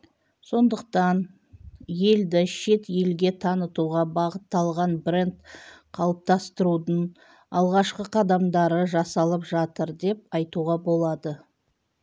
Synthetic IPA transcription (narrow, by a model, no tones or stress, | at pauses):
so̞nd̪əq̚t̪ɑn | je̞ld̪ɪʃe̞t̪je̞lɡʲe̞t̪ʰɑnət̪uʁɑbɑʁət̪ːɑlˠʁɑnbre̞nt̪qʰɑlˠəp̚t̪ɑst̪əɾud̪əɴ | ɑlˠʁɑʃqəqʰɑd̪ɑmd̪ɑɾəʒɑsɑlˠəpʒɑt̪əɾd̪e̞p̚ɑjt̪uʁɑbo̞lˠɑd̪ə